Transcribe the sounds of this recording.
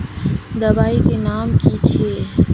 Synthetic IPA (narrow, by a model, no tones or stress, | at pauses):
d̪əbaːikenaːmkit͡ʃʰie